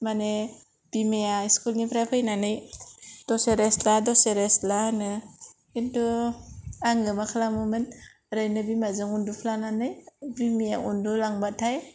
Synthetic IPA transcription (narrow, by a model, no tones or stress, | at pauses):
mane | b̥imejaiskulnipʰɾapʰɯjnanɯjd̥ɔseɾesladɔseɾeslanɯ | indu | aŋɯmakʰalamɯmɯn | ɾɯjnɯbimazɯŋundupʰlananɯjbimeaundulaŋbatʰaj